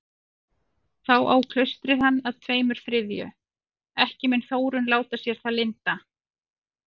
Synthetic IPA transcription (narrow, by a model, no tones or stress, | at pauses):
θawʔaːwkʰlœɥst̪ɾɪðanːaðt̪ʰveːjmʏɾ̥fɾɪðjʏ̰ | ɛhcɪmɛnθoːwɾʏnlaːwt̪asjɛɾ̥θalɪnt̪a